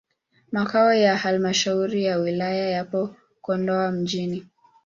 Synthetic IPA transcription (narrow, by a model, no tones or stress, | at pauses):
makaɔjahalmaʃauɾijawilajajapɔ | kɔndɔam̩ʄini